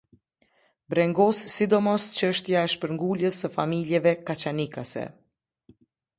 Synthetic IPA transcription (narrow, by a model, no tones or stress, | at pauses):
bɾɛŋɡɔsːid̪ɔmɔst͡ɕəʃt̪jaɛʃpəɾŋɡuljəsːəfamiljɛvɛkat͡ɕanikasɛ̰